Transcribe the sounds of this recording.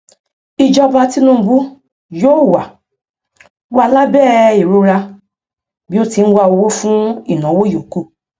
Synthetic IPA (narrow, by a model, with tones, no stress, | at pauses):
i˧d͡ʒɔ˧ba˧ti˦nũ˦˧bu˦ | joː˦˨wa˨ | wa˧la˦bɛ˦˨i˨ɾu˧ɾa˧ | bi˨˦o˦ti˧ñ̩˦wa˧o˧wo˦fũ˦i˦˨nã˨˦wo˦jo˨ku˦˨